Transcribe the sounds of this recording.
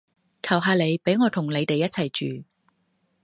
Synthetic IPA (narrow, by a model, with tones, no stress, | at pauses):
kʰɐ˨˩wɦaː˧le˨˧jpe˨˥jŋɔː˨˧t̪ʰʊ˨˩ŋle˨˧jt̪e˨jːɐ˥t̚t͡sʰɐ˨˩jt͡ʃyː˨